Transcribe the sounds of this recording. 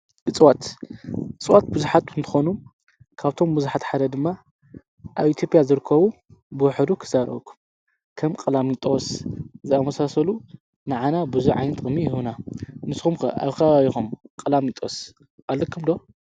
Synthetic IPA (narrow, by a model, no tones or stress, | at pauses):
ɨt͡sʼwat̪ | ɨt͡sʼɨwat̪̚buzuħat̪ɨnt̪ʰɨ̥xonu | kʰaβt̪ʰo̞mbɨzuħat̪ħad̪ɐd̪ɨmːa | ʔaβit̪ʰjo̞pʼjazɨɾɨkʰːɐβu | bɨwʊħɨd̪ukʰɨ̥zaɾɐ̰βkʰːu̥m | kʰɐmkʼɨlamit̪ʼoszɨamɐsasɐlu | nɨʕanabɨzuʕa̰jnɐt̪kʼɨmːijɪhunanɨsxumkɐ̰ʔa̰βkʰɐβaβixumkʼɨlamit̪ʼos | ʔalːɐkʰːɨmd̪o̞